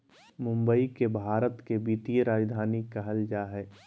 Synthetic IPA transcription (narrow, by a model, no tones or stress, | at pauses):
mʊ̃mbəikebʱaːɾət̪kebiːt̪ijəɾaːd͡ʒd̪ʱaːnikːaɦɐld͡ʒaːɦɛː